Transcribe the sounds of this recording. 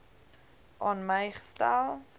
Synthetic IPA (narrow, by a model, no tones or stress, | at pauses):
ʔɑnməjχə̥stælˠ